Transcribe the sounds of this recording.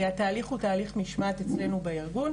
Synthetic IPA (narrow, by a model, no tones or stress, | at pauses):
eat̪aːliχutaːliχmiʃmat̪et͡sle̞nubeiʁɡun